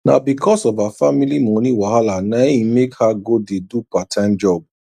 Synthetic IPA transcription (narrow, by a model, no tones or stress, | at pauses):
na̰bikʰɔsɔvafamilimõnĩwahalanãjĩmekhaɡodedupatʰãnd͡ʒɔb̚